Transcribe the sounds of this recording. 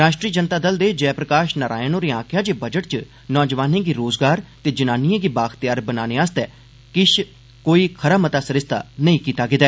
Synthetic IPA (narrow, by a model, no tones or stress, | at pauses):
ɾaːʃʈɾiːəd͡ʒənt̪aːd̪əld̪eːd͡ʒɛːpɾəkaːʃnəɾʔa̰ːjənoːɾĩːãːkʰjãːd͡ʒeːbəd͡ʒəʈ̚t͡ʃə | nɔːd͡ʒəʋaːnẽːɡiːɾoːzɡaːɾt̪eːd͡ʒɪnaːniẽːɡiːbaːxt̪ɪjaːɾbənaːneaːst̪ɛː | kɪʃ | koːiːkʰəɾaːmət̪aːsəɾɪst̪ʰa̰ːnəĩːkiːt̪aːɡɪd̪ɛː